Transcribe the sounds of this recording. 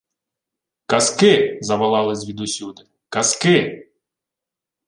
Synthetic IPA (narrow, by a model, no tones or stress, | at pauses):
kɐskɪzɐʋɐlˠɑlˠɪsʲʋʲid̪usʲud̪ɪ | kɐskɪ